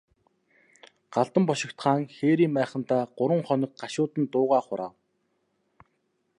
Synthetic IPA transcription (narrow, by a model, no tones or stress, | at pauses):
ɢ̥aɮt̪ə̆mpɔʃɪ̆kt̪χaːŋxeːɾiːmpæːχə̆nt̪aːɢ̥ʊɾwə̆ŋχɔnɞ̆k̚ɢaʃʊːt̪ə̆nt̪ʊːʁaːχʊɾaːw